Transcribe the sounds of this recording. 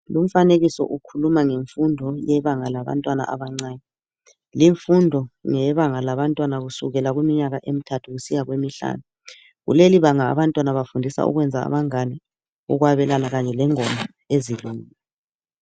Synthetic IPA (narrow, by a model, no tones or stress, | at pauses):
lum̩faneɣisɔ̰ʔukʰulumaŋeɱfundʱɔjɛβaŋalaβa̰ntʼwana̰ʔa̰βaŋ͡ǀaːnɛ | liɱfundʱɔŋɛβaŋalaβantʼwanaɣusuɣɛlaɣwimiɲaɣaʔem̩tʰatʰuɣusijaɣwemiɬa̰ːnu | ɣṵleliβaŋa̰ːβantʼwanaβafundʱisa̰ṵɣwɛnd͡zʱaa̰βaŋanɛ | ṵɣwaβɛlanaɣaɲɛlɛŋɔmʱa | eziluŋiːɛ